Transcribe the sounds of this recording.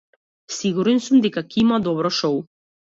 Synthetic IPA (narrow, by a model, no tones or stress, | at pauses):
siɡuɾɛnsumd̪ɛkakimad̪ɔbɾɔʃɔu